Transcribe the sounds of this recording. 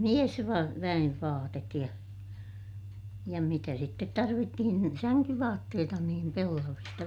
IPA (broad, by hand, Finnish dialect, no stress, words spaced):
ʋæj̆eʋ ʋɑːtet jɑ jɑ mitæ sitːet tɑrʋitːihin ni sæŋkyʋɑːtːeːtɑ niːm pelːɑʋistɑ